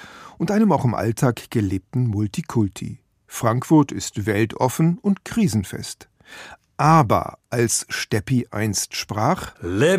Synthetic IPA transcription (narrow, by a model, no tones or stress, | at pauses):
ʔʊntʔaɪnəmaʊxɪmʔa̰ltʰaːkɡ̥əleːp̚tn̩mʊltikʰʊltʰḭ | fʁ̥aŋkfʊɐtɪstv̥ɛltʰʔɔfn̩ʊntkʁ̥iːzn̩fɛ̰st | ʔaːbɐ̰ʔalsʃtɛpiʔa̰ɪnstʃpʁ̥aːχle